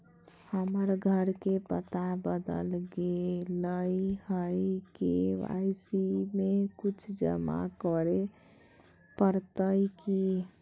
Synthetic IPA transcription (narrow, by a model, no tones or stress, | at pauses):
həməɾɡʱəɾkepət̪abəd̪ə̰lɡeləjhəjkeʋa̰jsimekut͡ʃʰd͡ʒə̰ma̰kɔɾe | pəɾt̪əjki